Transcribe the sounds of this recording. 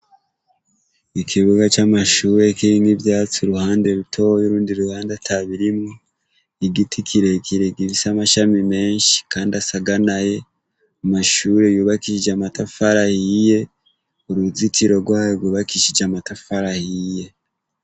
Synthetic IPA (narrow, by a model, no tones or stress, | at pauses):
ikʰiβuɡat͡ʃamaʃuːɾe̞kiɾiŋiβjaːt͡suɾuhaːnde̞ɾutʰo̞ojuɾuːndiɾuhaːndatʰaβiɾimŋo | iɡitʰikʰiɾe̞kʰiɾeɡiβisamaʃamime̞ːnʃi̥kaːndasaɡanaje̞ | amaʃuɾe̞juːβakiʃid͡ʒamatafaɾahije̞ | uɾuzitiɾo̞ɡwaːjoɡwuːβakiʃid͡ʒamatafaɾahije̞